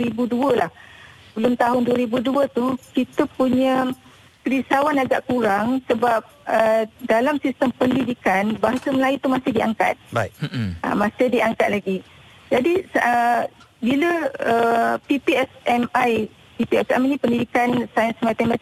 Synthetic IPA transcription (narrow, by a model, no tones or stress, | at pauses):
ɾibuduəlah | bəlʊmt̪aɦʊnduəɾibuduət̪ukit̪əpuɲə̃ | kəlisawanaɡaʔkuɾaŋsəbap̚ədalamsist̪əmpəndidikanbaɦasəməlajut̪umasɪhdiaŋka̰t̪̚baiə̰mãsɪhdiaŋkat̪̚laɡi | d͡ʒadisə | biləəpipiɛsɛmaj | pipiɛsɛ̰mnĩpəndidikansajənsmat̪ɛmãt̪i